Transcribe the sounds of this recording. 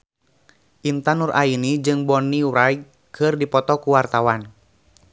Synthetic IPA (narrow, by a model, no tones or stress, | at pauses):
ʔint̪anurʔainid͡ʒɨŋbɔniuɾaj | kʰɨrdipɔt̪ɔkuwart̪awan